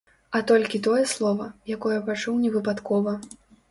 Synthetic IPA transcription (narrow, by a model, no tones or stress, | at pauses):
ɐt̪ɔlʲkʲit̪ɔjɛslˠɔvɐjakɔjɐpat͡ʂuwnʲɛvɨpat̪kɔvɐ